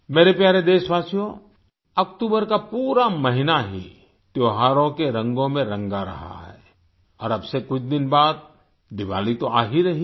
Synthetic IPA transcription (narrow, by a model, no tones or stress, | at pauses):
meːɾepjaːɾed̪eːʃʋaːsijõ | ɐkʈ̪uːbəɾkapuːɾaməɦɪnaɦḭ | t̪joːɦaːɾõkeɾɐ̃ŋɡõmẽɾɐ̃ŋɡaɾɐ̰ɦa̰ɦɛ̰ː | ɔːɾɐbsekʊt͡ʃʰd̪ɪnbaːd̪̚ | d̪ɪʋa̰ːlit̪oaːɦiɾɐɦi